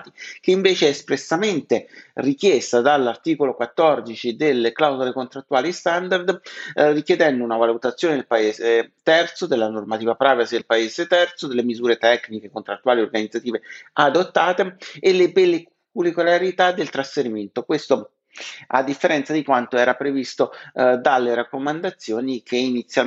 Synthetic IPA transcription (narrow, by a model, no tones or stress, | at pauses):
t̪ik̟eiɱveːt͡ʃeɛːspɾesːament̪erikjest̪ad̪alːart̪iːkolokwat̪ːɔrd̪it͡ʃid̪elːeklawzolekont̪ɾat̪ːuwaːlist̪and̪ard̪rikjed̪ɛnd̪ounavalut̪at̪sjoːned̪elpaeːzet̪ɛrt̪sod̪elːanormat̪iːvapɾaːvasid̪elpaezet̪ɛrt̪sod̪elːemizuːɾet̪ɛknikekont̪ɾat̪ːuaːliorɡanid̪zat̪iːvead̪ot̪ːaːt̪eelebelːe | kulikolaɾit̪ad̪ːelt̪ɾasfeɾiment̪okwest̪o | a̰d̪ːifːeɾɛnt̪sad̪ikwant̪oɛːɾapɾevist̪od̪alːeɾakːomand̪at̪sːjoːnikʰeinit̪sːja